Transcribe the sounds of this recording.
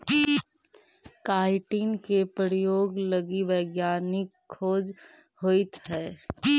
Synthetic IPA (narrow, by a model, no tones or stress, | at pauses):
kaːɪʈiːnkepɾəɾjoːɡləɡiʋəɪɡjaːnɪkʰːoːd͡ʒhoːit̪ɦɛː